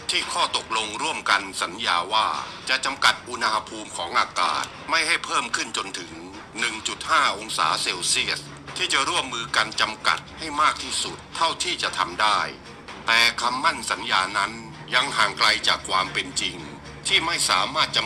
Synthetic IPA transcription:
t̪ʰiː˥˩kʰɔː˥˩t̪o˨˩k̚lo˧ŋɾu˥˩əmka˧nsa˩˦njaː˧waː˥˩t͡ɕa˨˩t͡ɕa˧mka˨˩t̪̚ʔu˧nha˧ha˧pʰuː˧mkʰɔː˩˦ŋʔaː˧ka̰ː˨˩t̪̚ma˥˩jha˥˩jpʰɤː˥˩mkʰɯ˥˩nt͡ɕo˧nt̪ʰɯ˩˦ŋ | nɯ˨˩ŋt͡ɕu˨˩t̪̚haː˥˩ʔo˧ŋsa̰ː˩˦seː˧wsi˥˩əs̚ | t̪ʰiː˥˩t͡ɕa˨˩ɾu˥˩əmːɯː˧ka˧nt͡ɕa˧mka̰˨˩t̪̚ha˥˩jmaː˥˩k̚t̪ʰiː˥˩su˨˩t̪ʰːa˥˩wt̪ʰiː˥˩t͡ɕa˨˩ʔt̪ʰa˧mdaː˥˩j | t̪ɛː˨˩kʰa˧mːa˥˩nsa˩˦njaː˧na˦˥n | ja˧ŋhaː˨˩ŋkla˧jt͡ɕa̰ː˨˩kʰwaː˧mpe˧nt͡ɕi˧ŋ | t̪ʰiː˥˩ma˥˩jsa̰ː˩˦maː˥˩t̪̚t͡ɕa˨˧

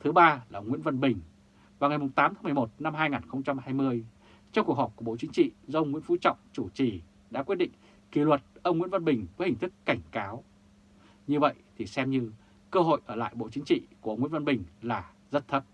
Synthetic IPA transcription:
t̪ʰɨ˨˦ɓaː˧laː˨˩ʔə˧wŋ͡mŋwḭ˧˥ənvə˧nɓï˨˩ŋ̟ | vaː˨˩ŋa˨˩jmʊ˨˩ŋ͡mt̪aː˨˦mt̪a˨˦m˨˩mo˨˩t̚na˧mɦaː˧jŋaː˨˩nxə˧wŋ͡mt͡ɕa˧mɦaː˧jmɨ˧əj | t͡ɕɔ˧ŋ͡mku˨˩ək̚hɔ˨˩p̚ku˧˩˨ɓo̰˧˨t͡ɕï˨˦ŋt͡ɕḭ˧˨zə˧ə˧wŋ͡mŋḭ˧˥ənfṵ˧˥t͡ɕɔ̰˧˨wŋ͡mt͡ɕu˧˩t͡ɕi˨˩ | ɗa̰ː˧˥kwt̚ɗḭ˧˨ŋ̟ | ki˨˦lwə˨˩t̚ʔə˧wŋ͡mŋwḭ˧˥nvə˧nɓï˨˩ŋ̟vəː˨˦hï˨˩ŋ̟t̪ɨ˦˥kːa˧˩jŋ̟kaː˨˦w | ɲɨ˧və̰˧˨jt̪ʰi˨˩sɛ˧mɲɨ˧ | kəː˧ɦo̰˧˨jʔəː˧˩la̰ː˧˨jɓo̰˧˨t͡ɕi˨˦ŋ̟t͡ɕḭ˧˨ku˧˩ʔə˧wŋ͡mŋḭ˧˥ə˥və˧nɓï˨˩ŋ̟laː˨˩ | zə˦˥t̚t̪ʰə˦˥p̚

